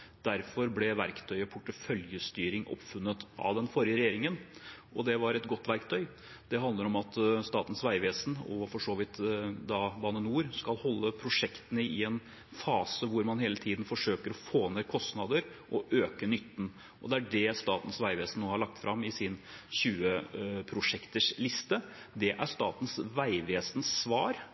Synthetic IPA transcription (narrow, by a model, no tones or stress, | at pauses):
d̪̥æɾfɔɾblɛʋæɾkt̪ʰœʏpʰʊʈːəfœljəst̪yːɾɪŋʔɔ̰pːfʉnːət̪ʔɑ̰ʋd̪ɛnfɔɾjəɾɛjeːɾɪŋənʔɔd̪ɛʋɑɾɛt̪ɡɔt̪ːʋæɾkt̪ʰœʏ | d̪̥ɛɦɑnd̪ləɾɔmɑt̪st̪ɑːt̪ən̩sʋæɪʋeːsnɔfɔʂoːʋɪt̪d̪ɑbɑːnənuːɾskɑlhɔlːəpʰɾʊʂɛkt̪ənəɪɛn | fɑːsəʋʊɾmɑnheːlət̪ʰiːd̪n̩fɔʂøːkəɾɔfoːnekʰɔst̪nɑd̪əɾ | ʔɔʔøːkənʏt̪ːn̩ | ʔɔ̰d̪ɛæɖɛst̪ɑːt̪n̩sʋæɪʋeːsn̩nːoːhɑɭɑk̚t̪fɾʔɑmːɪsɪnɕʉːəpʰɾʊʂɛkt̪əʂlɪst̪ə | d̪ɛʔæʂt̪ɑ̰ːt̪n̩sʋæɪʋeːsn̩sʋɑːɾ